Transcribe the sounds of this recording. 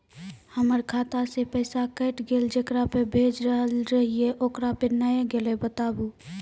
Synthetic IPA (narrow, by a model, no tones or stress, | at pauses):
həməɾkʰat̪asepəɪsakəːʈɡeld͡ʒekɾapebʱed͡ʒɾəɦəlɾəɦieʔoːkɾapənəjeɡelebət̪abu